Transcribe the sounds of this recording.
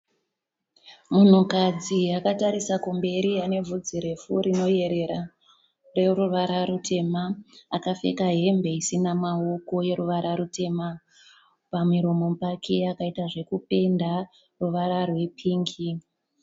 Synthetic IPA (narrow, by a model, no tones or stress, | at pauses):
mun̤ukad͡ziakataɾisakumbe̞ɾiane̞vʱud͡ziɾe̞fuɾino̞je̞ɾe̞ɾa | re̞ruʋaɾaɾutʰe̞maːkafe̞̰kaɦe̞mbe̞isinamaoko̞je̞ɾuʋaɾʔaɾute̞ma | pamiɾo̞mo̞pakʰeakaitaʐe̞kupe̞nda | ruʋaɾarwe̞pʰiːŋɡi